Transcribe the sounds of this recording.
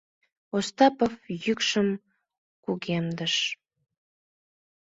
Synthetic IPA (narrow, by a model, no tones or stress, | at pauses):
ost̪ɑpəfjykʃəm | kuɣemd̪əʃ